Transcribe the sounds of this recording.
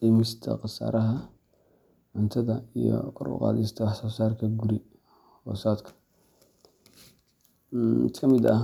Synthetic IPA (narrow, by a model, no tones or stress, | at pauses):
imɪst̪ʰɐ̰qɑsa̰ːɾɐɦɐ | ʕʊnt̪ʰɐðɐijɔ̰kʰɔɾwʊ̰qɑ̰ːlist̪ʰɐsɔsaːrkʰɐɡuɾi | hɔːsaːd̪kʰɐ̥ | mɪ̰t̪kʰɐmɪd̪ɐ̰